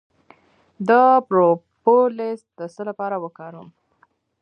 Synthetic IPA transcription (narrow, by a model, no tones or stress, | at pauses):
d̪əpɾopolɪsd̪̥əsəlapɑɾawəkɑɾəm